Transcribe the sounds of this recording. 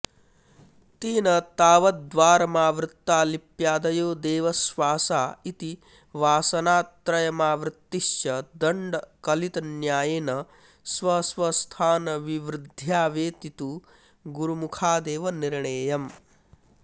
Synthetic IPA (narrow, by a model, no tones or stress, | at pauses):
t̪iːnɐt̪aːʋɐd̪ʋaːɾɐmaːʋɾɪt̪ːaːlipjaːd̪ɐjoːd̪eːʋɐsʋaːsaːit̪i | ʋaːsɐnaːt̪ɾɐjɐmaːʋɾɪt̪ːiʃjɐd̪ɐɳɖɐkɐlit̪ɐnjaːjenɐ | sʋɐsʋɐst̪ʰaːnɐʋiʋɾɪd̪ʱjaːʋeːt̪it̪u | ɡuɾumukʰaːd̪eːʋɐniɾɳeːjɐm